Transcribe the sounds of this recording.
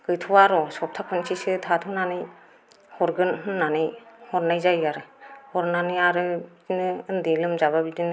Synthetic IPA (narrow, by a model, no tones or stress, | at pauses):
ɡɯjtʰuwaɾɔsɔp̚tʰakʰɯnsʰisɯtʰatʰunanɯj | hɔɾɡɯnɦɯnːanɯjhɔɾnajzajaɾɯhɔɾnanɯjaɾɯ | inɯɯndilɯmzababidinɯ